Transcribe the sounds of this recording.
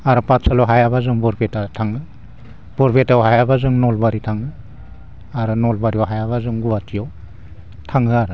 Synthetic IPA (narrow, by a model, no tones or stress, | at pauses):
aɾɯpatsʰalɔɦajaβazɯŋbɔɾpʰetatʰaŋɯ | b̥ɔɾpʰetawɦajabazɯŋnɔlbaɾitʰaŋɯ | aɾɯnɔlbaɾiɔwɦajaβazɯŋɡuwatʰiɔw | tʰaŋɯaɾɯ